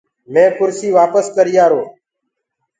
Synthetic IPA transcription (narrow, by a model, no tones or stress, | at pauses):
mẽːkʊɾsiːʋaːpəskəɾɪjaːɾoː